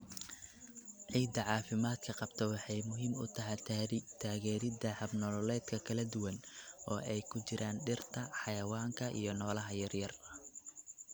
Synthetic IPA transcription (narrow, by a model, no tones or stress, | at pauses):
ʕiːd̪ɐʕɑːfɪmaːd̪kʰɐqɑbt̪ʰɐwɑħɑjmʊɦiːmʊ̰t̪ʰɐɦɛjt̪ʰaːɾt̪ʰaːɣɛːɾɪd̪ɐhɐbnɔlɔlɛːd̪kʰɐkʰɐlɐd̪ʊwɐnʔɔːʔɛjkʰʊt͡ʃɪɾaːnɖɪrt̪ʰɐħɑjɐwaːŋkʰɐʔḭjɞnɔːlɐɦɐjɐrjɐrɐ